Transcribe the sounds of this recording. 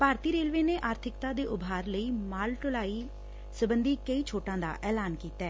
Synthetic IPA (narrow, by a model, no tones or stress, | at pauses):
paːɾt̪iːɾeːlʋeːneːʔaːɾt̪ʰɪkt̪aːd̪eːʔʊbʱaːɾləiːmaːlʈʊlaːiː | səbənd̪iːkəiːt͡ʃʰoːʈãːd̪a̰ːʔɛːlaːnkiːt̪ɛː